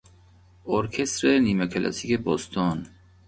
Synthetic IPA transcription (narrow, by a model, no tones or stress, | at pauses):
ʔoɾkʰest̪ɾeniːmekʰelʔæ̰sikebɔːst̪ʰɒn